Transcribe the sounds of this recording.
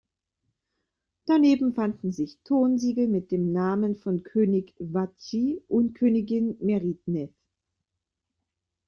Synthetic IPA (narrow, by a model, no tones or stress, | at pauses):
d̥aneːbm̩fandn̩zɪçtʰoːnziːɡl̩mɪt̚d̥eːmnaːmənfɔnkʰøːnɪçvat͡ʃiʔʊntkʰøːnɪɡɪnmɛʁidnɛf